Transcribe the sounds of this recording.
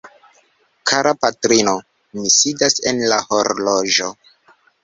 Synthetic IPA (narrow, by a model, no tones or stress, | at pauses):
kʰaɾapatɾino | misidasenlaho̞ɾlo̞ʒo̞